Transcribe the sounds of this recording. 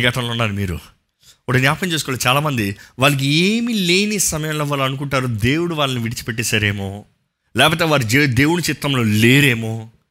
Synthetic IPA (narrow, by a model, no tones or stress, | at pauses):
ɡɐt̪ʰɐmloːunːaːɾumiːɾṵ | ɐʈɐnjaːpɐmt͡ʃesukɔːlɐt͡ʃaːlaːmɐnd̪iʋaːlɐk̬ieːmile̞ːnisɐmɐjɐmloʋaːlɐnuk̬uɳʈaːɾud̪e̞ːwuɽuʋaːlɐniʋiɽit͡ʃi̥peʈ̬ːɛːsaːɾe̞ːmo̞ː | lɛːpoːt̪eːʋaːɾud͡ʒed̪e̞ːwuɽut͡ʃit̪ɾɐmlo̞ːle̞ːɾe̞ːmoː